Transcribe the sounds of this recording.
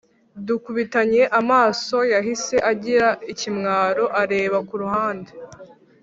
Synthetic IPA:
dukuβitaɲe̞ʔamaːso̞jaɦise̞ʔaɟiɾaicimŋaːɾo̞ʔaɾe̞ːβakuɾuhaːnde

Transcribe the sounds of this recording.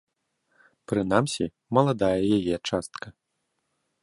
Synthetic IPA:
pɾɨn̪amsʲi | mɐlˠad̪ajɛjajɛt͡ʂast̪kɐ

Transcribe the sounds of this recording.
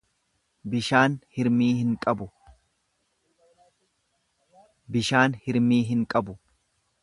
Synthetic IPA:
bɪʃaːnhɪɾmiːhɪŋkʼɐbʊ | bɪʃaːnhɪɾmiːɦɪŋkʼɐbʊ

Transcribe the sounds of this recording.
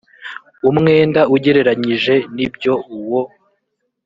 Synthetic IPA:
umŋe̞ːndauɟe̞ɾe̞ɾaɲiʒe̞nibjo̞uwo

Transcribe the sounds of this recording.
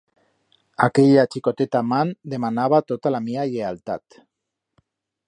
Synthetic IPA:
akeʎat͡ʃikot̪et̪amand̪e̞manaβ̞at̪ot̪alamiaʎealt̪a̰t̪

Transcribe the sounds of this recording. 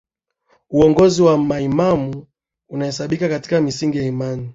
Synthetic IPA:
uɔŋɡɔziwamaimamu | unahɛsaɓikakati̥kamisiŋɡijaimani

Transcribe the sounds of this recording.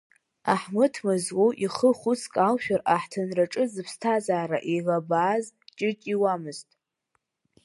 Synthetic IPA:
aħmɨtʰmɨzwoʔiχəχʷʊt͡sʰkʼalʃᶣaraħtʰɨnraʈ͡ʂʼɨzɨpʰstʰazaːɾaʔeɣabaːzt͡ʃʼɪt͡ʃʼiwamɨztʼ

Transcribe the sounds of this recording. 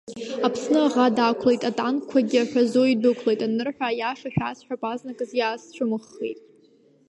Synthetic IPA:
apʰsnɨaʁadakʷʰle̞jtʼatʼankʷʰaɡʲɪaħʷᶣazoidɨkʷʰlejtʼanɨrħʷᶣajaʂaʃᶣasħʷᶣapʼaznakʼɨzjaːst͡ɕʷʰʊmɨχːḛjtʼ

